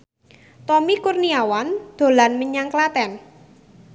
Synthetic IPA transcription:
t̪ɔmikurniawand̪̥o̤lanməɲaŋklat̪ɛn

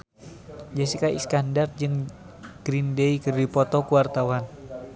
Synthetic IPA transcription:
d͡ʒɛsikaḭskandard͡ʒɨŋ | ɡ̥ɾindeikəddipɔt̪ɔkuwart̪awan

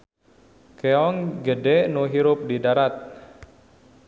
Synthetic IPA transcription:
keɔŋɡədenoɦiɾʊp̚didaɾat̪̚

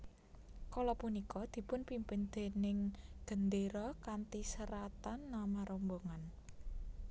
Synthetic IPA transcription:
kɔlɔpunikɔd̪̥i̤pʊnpimpɪnd̪̥e̤nɪŋɡ̥ə̤nd̪eɾɔkant̪isəɾat̪anːamaɾʔomboŋan

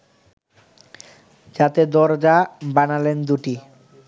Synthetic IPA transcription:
d͡ʑat̪ed̪ɔɾd͡ʑabanalend̪uʈi

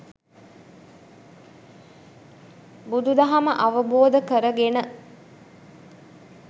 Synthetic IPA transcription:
bud̪ud̪ɐɦɐməʔɐʋəboːd̪əkəɾəɡenə

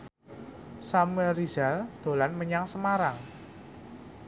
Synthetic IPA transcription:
samuɛrizald̪̥o̤lanməɲaŋsəmaɾaŋ

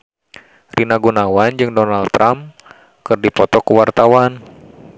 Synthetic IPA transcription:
rinaɡunawand͡ʒɨŋdɔnalt̪ːɾʔam | kɨrdipɔt̪ɔkuwart̪awan

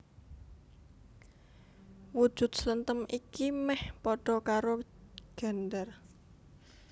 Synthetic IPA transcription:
wud̥ʒ̥ṳt̪̚sələnt̪əmikimɛhpɔɖ̥ɔ̤kaɾoɡ̥a̤nd̪ar

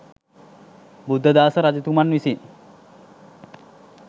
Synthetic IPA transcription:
bud̪ʱːəd̪aːsəɾad͡ʒɐt̪umanʋisin

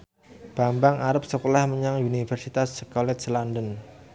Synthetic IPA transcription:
b̥ambaŋʔaɾəp̚səkolahməɲaŋunifɛrsit̪asːəkɔlɛt̪̚səlandən

